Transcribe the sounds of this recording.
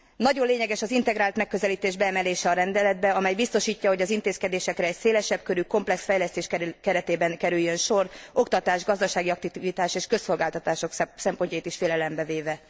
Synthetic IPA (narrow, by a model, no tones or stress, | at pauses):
nɒɟo̞leːɲɛɡɛʃɒzint̪ɛɡɾaːlt̪mɛkːø̞zɛliːt̪eːʒbɛːmɛleːʃɛɒɾɛnd̪ɛlɛd̪̚bɛɒmɛjbist̪o̞ʃiːcːɒɦo̞ɟɒzint̪eːskɛd̪eːʃɛkɾɛːcseːlɛʃɛbkøɾyko̞mplɛksfɛjlɛst̪eːʃkkɛɾɛt̪eːbɛnkɛɾyjːønʃo̞ro̞kt̪ɒt̪aːʒɡɒzd̪ɒʃaːɡiɒk̚t̪ivit̪aːʃeːʃkø̞sːo̞lɡaːlt̪ɒt̪aːʃo̞ksɛmpo̞ɲcɒjit̪iʃfeːlɛlɛmbɛveːvɛ